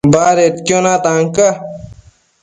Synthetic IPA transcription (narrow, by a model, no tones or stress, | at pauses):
baːɾet̪kjonãːt̪aːŋka